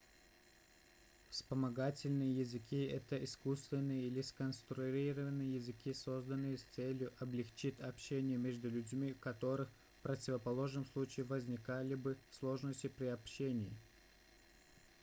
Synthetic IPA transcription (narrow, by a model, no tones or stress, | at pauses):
fspəmɐɡatʲɪlʲnɨjəjɪzɨkʲʰiɛt̪əʔiskust̪vʲɪnːɨjəilʲɪskənst̪ɾʊɾʲiɾəvənːɨjəjɪzɨkʲiso̞zd̪ənːɨjəst̪sɛlʲjʊʔɐblʲɪxt͡ɕitʲɐpɕːenʲɪjəmʲeʐd̪ʊlʲʉdʲmʲikɐt̪o̞ɾɨx | fpɾətʲɪvəpɐlˠo̞ʐnəmslˠut͡ɕɪɪvəzʲnʲɪkalʲɪbɨslˠo̞ʐnəsʲtʲɪpɾʲɪɐpɕenʲɪjɪ